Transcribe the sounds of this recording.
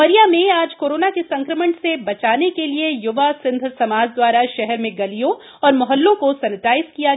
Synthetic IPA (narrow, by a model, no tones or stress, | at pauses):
əɾijamẽaːd͡ʒkoːɾoːnakesɐ̃ŋkɾəməɳsebɐt͡ʃaːnekeliejʊʋasɪ̃nd̪ʱsɐmaːd͡ʒd̪waːɾaʃɛɦɛɾmẽɡɐlijõ | ɔːɾmɔɦəlːõkosɐnɪt̪aːɪskija